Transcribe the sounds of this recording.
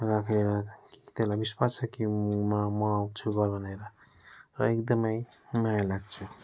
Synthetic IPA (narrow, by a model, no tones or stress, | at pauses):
rakʰeɾʌki̥t̪elabiswat͡sʰʌkimamʌwt͡sʰuɡʌlbʱʌneɾʌ | rʌekd̪ʌmʌjmajalaɡ̚t͡sʰu